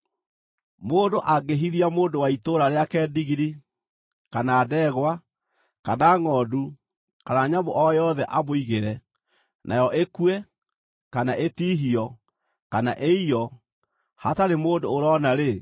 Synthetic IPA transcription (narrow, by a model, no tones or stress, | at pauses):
moːndoʔaɡeɦiðiamoːndowaitoɾaɾeakɛdiɣiɾi | kanaːdɛːɣwa | kanaŋɔːdu | kanaɲaboʔɔjɔðɛʔaboiɣeɾɛ | nʔa̰jɔʔekuɛ | kanaʔetiːɦiɔ | kanaʔeiɔ | hataɾemoːndoːɾɔnaɾe